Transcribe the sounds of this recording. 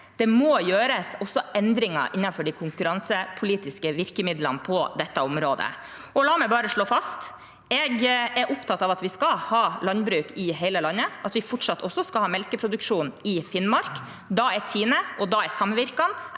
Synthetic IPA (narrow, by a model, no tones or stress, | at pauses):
d̪̥ɛmojøːɾəsɔsːɔɛnd̪ɾɪŋɑ̰ʔɪnːɑnfɔɖɪkʰʊŋkʉɾɑnsəpʰʊliːt̪ɪskəʋɪɾkəmɪd̪lɑ̰npʰɔd̪ɛt̪ːəɔmɾoːd̪ə̰ | ɔlɑːmɛɪbɑːɾəʂɭoːfɑst̪ | ɛɡɛɾʔʊpt̪ʰɑt̪ːɑːʋɑt̪ʋɪskɑlhɑːlɑnbɾʉːkɪɦeɪləlɑnːəɑt̪ʋɪfɔʈʂɑt̪ːʰɔsːɔskɑlhɑːmɛlkəpʰɾʊd̪ʉkʂuːnɪfɪnmɑɾk | d̪ɑɛɾt̪ʰiːnəʔɔd̪ɑɛsɑmʋɪɾkɑn